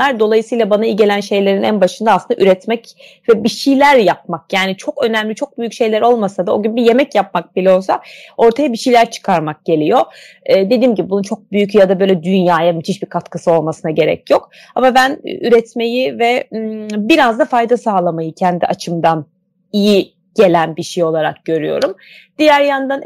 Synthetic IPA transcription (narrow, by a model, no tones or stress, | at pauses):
aɾd̪o̞lˠajɯsɯjlˠabanaiɟe̞lʲænʃe̞jlʲe̞ɾinæ̰nbaʃɯnd̪aːslˠɯnd̪aʔyɾɛt̪mɛc | vɛbiʃijlʲæɾjap̚makjaːnit͡ʃʰo̞kø̞næmlʲit͡ʃʰo̞k̚byjycʃe̞jlʲæɾo̞lˠmasad̪ao̞̰ɟynbije̞mɛcjap̚mak̚bilʲɛo̞lˠsao̞ɾt̪ʰajabiʃijlʲæɾt͡ʃʰɯ̥kʰaɾmak̚ɟ̥e̞lʲijo̞ | ɛːd̪e̞d̪iːmɟibibununt͡ʃʰo̞k̚byjycjad̪abø̞ːjlʲɛd̪ynjaːjamit̪ʰiʃbikʰat̪kʰɯsɯo̞lˠmasɯnaɟe̞ɾɛ̰cjo̞k | amabæn̰yɾɛt̪me̞jivɛ | biɾazd̪afajd̪asaːlˠamajɯcʰɛnd̪iʔat͡ʃʰɯmd̪an | iji | ɟ̥e̞lʲænbiʃijo̞lˠaɾa̰k̚ɟ̥ø̞ɾyjo̞̰ɾum | d̪̥ijæɾjand̪an